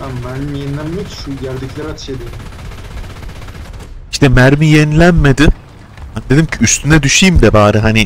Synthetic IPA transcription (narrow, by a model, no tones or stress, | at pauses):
bænbæɾijenilʲænmekʃuɟæɾd̪iclʲæɾhat̪ʰɯ̥ʃed̪eɾim | iʃt̪ʰɛmæɾmijenilʲænmed̪i | hanid̪e̞d̪imcʰiyst̪ʰynɛd̪yʃijimd̪ɛbaːɾɯɦani